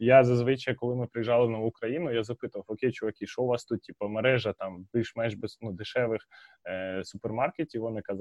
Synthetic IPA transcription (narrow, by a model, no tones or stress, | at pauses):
jazɐzʋɪt͡ʃɐjɐkɔlˠɪmɪpɾɪjʒɑlˠɪnɐukɾɐjinʊjazɐpɪt̪ʊʋɐwɔkʲejt͡ʃɔʋɐkʲiʃɔʊʋɑst̪ut̪̚tʲipɐmeɾɛʒɐt̪ɑmbʲilʲʃmɛnʒbɛznud̪ɪʃɛʋɪx | sʊpermɑrketʲiʋɔnɪkɐz